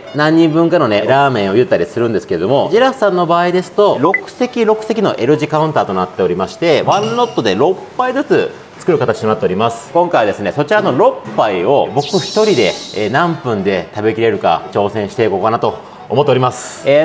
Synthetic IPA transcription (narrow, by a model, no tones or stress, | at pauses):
nãɲ̟ːĩmbɯ̟̃ŋkano̞ne̞ɾaːmẽ̞ɰ̃o̞jɯ̟t̪ːaɾʲisɨɾɯ̟̃nd̪e̞sɨ̥kee̞d̪o̞mo̞ʑiɾaɸɯ̟̥sãnːo̞baːid̪e̞sɨ̥t̪o̞ɾo̞kɯ̟̥se̞kʲiɾo̞kɯ̟̥se̞kʲino̞̰ʔe̞ɾɯ̟ʑikaɯ̟̃nt̪aːt̪o̞nat̪ːe̞o̞ɾʲimaɕi̥t̪e̞βãnːo̞t̪ːo̞d̪e̞ɾo̞pːaizɨt͡sɨ | t͡sɨ̥kɯ̟ɾɯ̟kat̪at͡ɕit̪onat̪ːe̞o̞ɾʲimasɨ̥kõ̞ŋkajβad̪e̞sɨne̞so̞t͡ɕiɾano̞ɾo̞pːaio̞bo̞kɯ̟çi̥t̪o̞ɾʲid̪e̞nãmpɯ̟̃nd̪e̞t̪abe̞kʲiɾe̞ɾɯ̟ka̰t͡ɕo̞ːsẽ̞ɰ̃ɕi̥t̪e̞iko̞kanat̪o̞ː | mo̞t̪ːeoɾʲimasɨ̥e